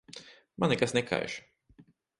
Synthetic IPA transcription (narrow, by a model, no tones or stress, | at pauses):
ma̰nɛkasnɛkʰa̰jʃ